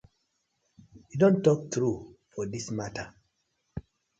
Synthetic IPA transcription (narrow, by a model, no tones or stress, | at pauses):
judɔ̃ntɔk̚tɹufɔdismatʰə